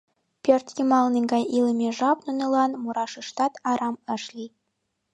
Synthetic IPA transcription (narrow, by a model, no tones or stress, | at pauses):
pʲørt̪jimɑlˠnĭŋɡɑjilʲĕmʲeʒɑpnunɤ̆lˠɑnmuɾɑʂɯʂt̪ɑt̪ɑɾɑmɘ̆ʃlʲi